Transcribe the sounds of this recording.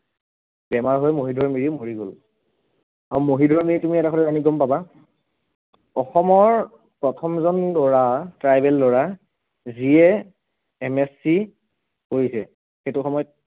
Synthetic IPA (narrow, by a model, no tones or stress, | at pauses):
bɛmaɹɦojmoɦidʱɔɹmiɹimoɹiɡol | aɹumoɦidʱɔɹmiɹitumiɛtakʰɔtɛɹaniɡɔmpaba | ɔxɔmɔɹ | pɹɔtʰɔmzɔnlɔɹatɹajbɛllɔɹa | ziɛː | mɛsːi | kojisɛ̰ | xejtʊxɔmɔjɔt̚